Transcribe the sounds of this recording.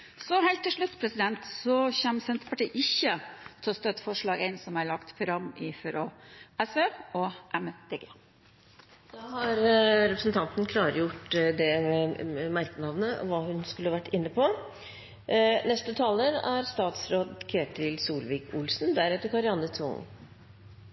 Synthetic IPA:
sɔhæɪlt̪ːɪʂɭʉt̪ːpʰɾɛsɪd̪ɛnt̪sɔçɛmsɛnt̪ə̥pɑʈiːʔɪçːət̪ʰɛlɔst̪œt̪ːfɔʂɭɑːɡɛɪnsɔmæɭɑkt̪fɾɑmɪfɾoɛsʋeːɔʔɛmd̪̥eːɡeː | d̪̥ɑhɑɾɾɛpɾəsn̩t̪ʰɑnt̪nkʰlɑːɾəjʊʈːd̪ɛɛmæɾkənɑʋnəɔʋɑːhʉnskʉləhɑʋæʈːɪnːəpʰɔ | nɛst̪ət̪ʰɑːləɾæɾst̪ɑːt̪sɾoːd̪kʰɾeːʈt̪ɪlsuːlʋiːkʰʊlsn̩d̪æɾɛt̪ːəɾkʰɑɾɪɑnːət̪ʰʋʊ̰ŋ

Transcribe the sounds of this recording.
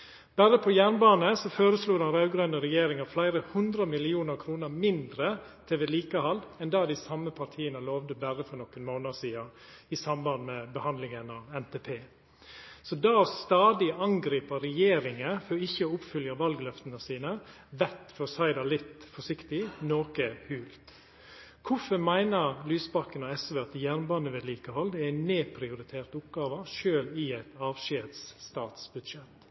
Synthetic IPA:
b̥æɾəpʰɔjæːɳbɑːnəsɔføːɾəsluːd̪ɑnɾɑʉɡɾœnəɾɛjeːɾɪŋɑflæɪɾəhʉnd̪ɾəmɪlɪuːnəɾkʰɾuːnəɾmɪnd̪ɾət̪ʰeːʋɛliːkəhɑld̪ɛnd̪ɑːd̪ɪsɑmːəpʰɑʈ̪ʰiːənəloːʋd̪əbæɾəfɔɳɔkːənmoːnəsiːɑɪsɑmbɑnːmɛbəhɑnd̪lɪŋənɑʋɛnt̪ʰepʰeː | sɔd̪ɑːst̪ɑːd̪ɪɑŋɡɾiːpəɾɛjeːɾɪŋəfɔɪçːəʊpfʏljɑʋɑlɡlœft̪ənəsiːnə | ʋɛt̪fɔsæɪd̪ɑlɪt̪fɔʂɪkt̪ɪnoːkəhʉːlt̪ | kʰʊfəɾmæɪnəɾlyːsbɑkːənɔɛsʋeːɑt̪jæːɾnbɑːnəʋɛːd̪liːkəhɔld̪ɛæɪnneːpʰɾɪʊɾɪt̪ʰeːɾt̪ʊpɡɑːʋəʃøːlɪæɪt̪ɑːʋʃeːt̪st̪ɑːt̪sbʉd̪ʃɛt̪

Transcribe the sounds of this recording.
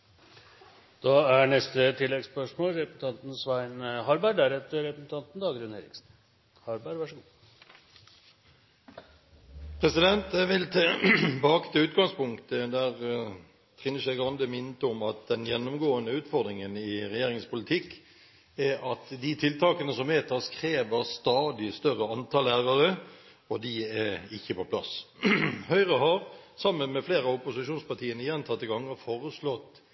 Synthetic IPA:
d̪̥ɑːæɳɛst̪ət̪ʰɪlːɛɡspœʂmoːlɾɛpsn̩t̪ʰɑnt̪n̩sʋæɪnhɑɾbæɖæɾɛt̪əɾɛpɾəsn̩t̪ɑnt̪n̩d̪ɑːɡɾʉnhɛɾɪ̰ksn̩ | hɑɾbæɾʋɑʂəɡuː | pʰʁɛsɪd̪ɛnt̪ʋɪlt̪ʰebɑːkt̪ʰɛʉːt̪ɡɑŋspʊŋkt̪əd̪æʁ | t̪ʰʁɪnəʂæɡʁɑnd̪əmɪnt̪əʊmɑt̪̚d̪ɛnjɛnːʊmɡoːənəʉːt̪fɔɾd̪ɾɪŋənɪʁɛjeːɾɪŋspʊlɪt̪ʰɪkː | ɛʔɑt̪d̪ɪt̪ʰɪlt̪ʰɑːkənəsɔmʋeːt̪ʰɑskʰɾeːʋəɾst̪ɑːd̪ɪst̪œʁːəɑnt̪ʰɑːlæːʁəɾə | ɔd̪ɪɛɪçːəpɔpʰlɑ̰s | hœʏʁəɦɑɾsɑmːənmɛfleːɾɑʊpʊsɪʃuːnspɑʈ̪ʰiːənəjɛnt̪ʰɑt̪ːɪɡɑŋːəfoːɾəslɔt̪ː

